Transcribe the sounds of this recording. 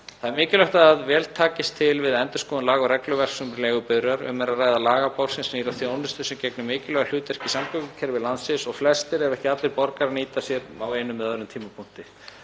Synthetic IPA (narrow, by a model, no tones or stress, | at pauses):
θaðɛɾmɪːcɪlœht̪aaðvɛːlt̪ʰaːcɪst̪ʰːɪlvɪðɛnt̪ʏ̥skɔːðʏnlaːɣʏɾɛklʏvɛr̥ksʏmlɛːɣʏpʏðɾaɾʏ̰mɛɾaðraːjðalaːɣapawɾsɪnsniːɾaθjownʏst̪ʏsɛmcɛknʏmɪːcɪlœɣal̥uːt̪ɛr̥cɪsamkʰœkʏcʰɛɾvɪðlansɪsɔɣflɛst̪ɪɾɛvɛhcɪat̪lɪɾpɔɾkaɾniːt̪asjɛɾaweːjnʏmːɛðaðɾʏmt̪ʰiːmapʰun̥t̪ɪ